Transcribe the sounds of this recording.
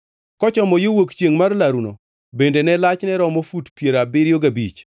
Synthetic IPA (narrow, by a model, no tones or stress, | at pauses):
kɔt͡ʃɔmɔjowokt͡ʃjeŋmarlaɾuno | bendenɛlat͡ʃnɛɾɔmofutpjeɾabɪɾjoɡabḭt͡ʃ